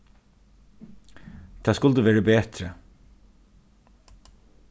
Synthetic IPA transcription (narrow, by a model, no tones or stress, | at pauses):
t̪ʰɑːskʊlt̪əʋeːɹəbeːt̪ɾə